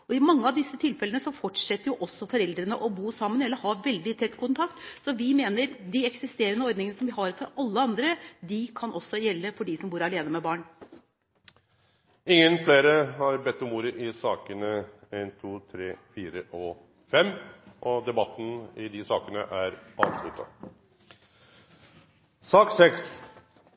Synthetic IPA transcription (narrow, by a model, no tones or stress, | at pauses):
ɔɪmɑŋːəɑʋd̪ɪsːət̪ʰɪlfɛlənəsɔfɔʈʂɛt̪ːəɾjʊʔɔsːɔfɔɾɛld̪ɾənə̰ʔɔbuːsɑmːənɛlːəhɑʋɛld̪ɪt̪ʰɛt̪ːkʰʊnt̪ʰɑkt̪sɔʋɪmeːnəɾd̪ɪɛksɪst̪eːɾənəɔɾd̪nɪŋənəsɔmʋɪhɑɾfɔɾʔɑlːəɑnd̪ɾəd̪ɪkʰɑnʔɔsːɔjɛlːəfɔɖisɔmbuːɾɑleːnəmɛbɑːɳ | ɪŋːənfleːɾəhɑɾbɛt̪ːʉmuːɾəʔɪsɑːkənəeɪnt̪ʰuːt̪ʰɾeːfiːɾəʔɔ | fɛmːʔɔd̪ɛbɑt̪ːn̩ɪd̪ɪsɑːkənə̰ʔæɾɑnt̪ʰlʉ̰t̪ʰɑ̰ | sɑːksɛks